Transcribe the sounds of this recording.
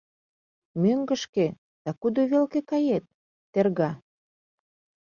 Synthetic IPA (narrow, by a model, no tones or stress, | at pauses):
møŋɡə̆ʃke | d̪̥ɑkud̪oβelkekɑjet̪̚ː | erɣɑ